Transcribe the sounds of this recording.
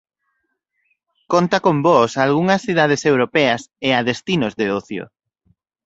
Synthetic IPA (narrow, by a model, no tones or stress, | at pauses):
kont̪akombɔsalɣuŋɐsθiðað̞esewɾopɛɐseaðest̪inozðeoθjo̰